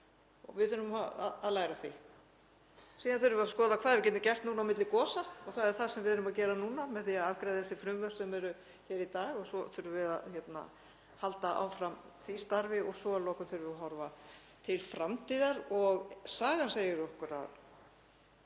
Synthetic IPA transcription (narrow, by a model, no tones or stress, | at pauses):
ɔvɪðʏnːʏmaa̰a̰ðlaːjɾaθi | siːðanθʏɾvʏaskɔːðakʰvaːðvɪcɛːt̪ːʏcɛr̥t̪nuːnawmɪt̪lɪkɔːsaɔɣθaðɛɾ̥θḁsɛmvɪðʏnʏmacɛːɾanuːnamɛðθiaðavkɾajðɪθɛsɪfɾʏmvœ̥sɛmɛɾʏ | çɛːɾit̪aːɣɔsɔθʏɾʏvɪðaðçjɛt̪na̰ | halt̪aʔa̰wfɾam | θist̪aɾvɪʔɔɣsɔalɔkʏnθʏɾvʏaɦɔɾva | t̪ʰɪlfɾamt̪ʰiːðaɾɔɣsaːɣanseːjɪɾɔhkʏɾa̰ð